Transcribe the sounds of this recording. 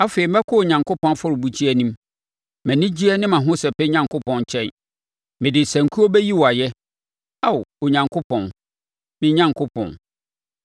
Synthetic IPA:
a˦fe˨i˨m̩˦ɛ˦kʰʊ˦o˨ɲã˨ŋkʊ˦pɔ̃˦n˦fɔ˦ɾʊ˨bu˨t͡ɕʰi˦ɛ˦nĩ˦m | mæ̃˨nɪ̃˦d͡ʑi˦ɛ˦nɪ̃˦mã˨ɦʊ̃˦sɛ˨pɛ˦ɲã˦˨ŋkʊ˦pɔ̃˨nt͡ɕʰɛ̃˦n | mɪ̃˨dɪ˨sæ̃˨ŋ̩˨kʰu˦o˦bɛ˦ji˦wɔ˨a˨jɛ˦ | a˨wo˨ɲã˨ŋkʰo˦pʰɔ̃˨n | mɪ̃˦ɲã˦ŋkʰo˦pʰɔ̰̃˨n

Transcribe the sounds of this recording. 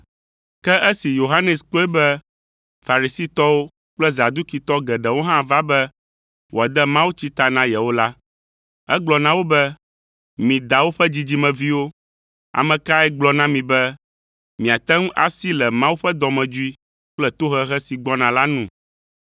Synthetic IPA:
kɛ˦ʔɛ˦si˨jo˨ɦa˦nɛ˨sk͡po˦ɛ˦bɛ˦ | fa˨ɾi˨si˦t̪ɔ˦wo˦ | k͡plɛ˦za˨d̪u˦ki˨t̪ɔ˦ɡɛ˨ɖɛ˨wo˦ɦã˦va˦bɛ˦ | wo˨a˨d̪ɛ˦mã˦wu˦t͡ɕi˦t̪a˨nã˦jɛ˨wo˦la˦ | ɛ˦ɡ͡blɔ˨nã˦wo˦bɛ˦ | mĩ˨d̪a˨wo˦ɸɛ˦d͡ʑi˦d͡ʑi˦mɛ̃˨vi˦wo˦ | a̰˨mɛ̃˨ka˦ɛ˦ɡ͡blɔ˦nã˦mĩ˨bɛ˦ | mĩ˨a˨t̪ɛ˦ŋ˦ʔa̰˨si˦lɛ˨mã˦wu˦ɸɛ˦d̪ɔ˨mɛ̃˨d͡ʒu˦i˦ | k͡plɛ˦t̪o˦ɦɛ˦ɦɛ˦si˨ɡ͡bɔ˦nã˨la˦nũ˦˨

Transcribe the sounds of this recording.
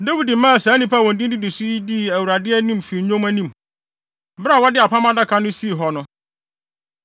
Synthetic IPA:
dæ˦wi˨di˨˦mã˦˨sɛ˨˦nĩ˦pʰa˦˨wɔ̃˨n˨dĩ˦n˦dɪ˦dɪ˨sʊ˦i˦di˦˨æ˨wɾa˨dɪ˦ɛ˦nĩ˦mfi˨˦ɲõ˦mæ˦nĩ˦˨m˦ | bɾa˦˨wɔ˦dɪ˦a˨pʰa˦mã˦da˦kʰã˦nʊ̃˦si˦˨ɦɔ˨nʊ̃˦

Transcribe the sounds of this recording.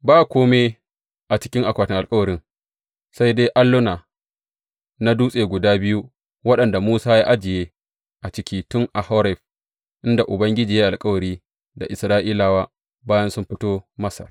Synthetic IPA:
baː˦kʷoː˦me˦ | ʔa˨t͡ʃɪ̥˦kʲɪ˦ŋʔa˨kʷaː˨tɪ˦ŋʔa˨lkʼɐ˦wɐ˨ɾɪ˦ŋ | sa˦jdeː˦ʔa˦nlʊ˦na˨ | na˦duː˦sʼeː˨ɡʷʊ˨daː˦bɪ˦ju˦ | wɐ˦ɗɐ˨nda˨muː˦saː˦jaː˦ʔa˦d͡ʒɪ˨jeː˦ | ʔa˨t͡ʃɪ˦kʲiː˦tʊ˦ŋʔa˨ha˦ɾɛ˦˨ɸ | ʔɪ˦nda˨ʔʊ˨bɐ˦ŋɡʲɪ˦d͡ʒiː˨jaː˦ʔa˨lkʼɐ˦wɐ˨ɾiː˦ | da̰˨ʔɪ˨sɾaː˦ʔiː˦laː˨waː˦ | baː˦jɐ˦nsʊ˦mɸɪ˦toː˦mɐ˦sɐ̰˨r

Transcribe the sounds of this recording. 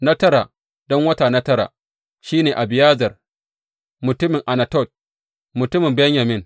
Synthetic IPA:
na˦tɐ˦ɾaː˨ | dɔ˦ŋwɐ˦taː˨na˦tɐ˦ɾa̰ː˨ | ʃiː˦neː˨ʔa˨bɪ˨jaː˦zɐ˨r | mʊ˨tʊ˦mɪ˨ŋʔa˨na˨tɔ˦˨t̚ | mʊ˨tʊ˦mɪ˨mbɛ˦ɲja˨mɪ˦ŋ

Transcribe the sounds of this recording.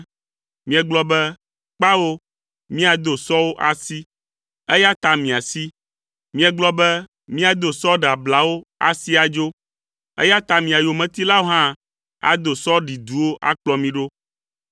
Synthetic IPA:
mĩ˦ɛ˨ɡ͡blɔ˦bɛ˦ | k͡pa˦wo˦ | mĩ˦a˨d̪o˨sɔ˦wo˦ʔa˨si˦ | ɛ˦ja˦t̪a˨mĩ˨a˨si˦ | mĩ˦ɛ˨ɡ͡blɔ˦bɛ˦ | mĩ˦a˨d̪o˨sɔ˦ɖa˨bla˨wo˦a̰˨si˦a˨d͡ʒo˦ | ɛ̰˦ja˦t̪a˨mĩ˨a˨jo˨mɛ̃˨t̪i˦la˦wo˦ɦã˦ | a̰˨d̪o˨sɔ˦ɖi˨d̪u˨˦wo˦ʔa̰˦k͡plɔ˦mĩ˦ɖo˦

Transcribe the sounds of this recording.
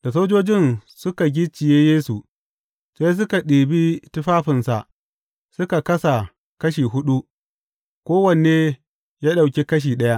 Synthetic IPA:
d̥a˨soː˦d͡ʒoː˦d͡ʒɪ˦nsʊ˦ka˨ɡʲɪ˦t͡ʃɪ˨jeː˦jeː˦su˨ | seː˦s̬ʊ˦ka˨ɗiː˨bi˦tʊ˦ɸaː˦ɸɪ˨nsa̰˨ʔ | sʊ˦ka˨kɐ˦sa˨ | kɐ˦ʃiː˨ɦʊ˦ɗu˦ | kʷoː˦wɐ˨n˨e˦ | jaː˦ɗa˨wkʲi˦kɐ˦ʃ̬iː˨ɗɐ˦ja˦ʔ

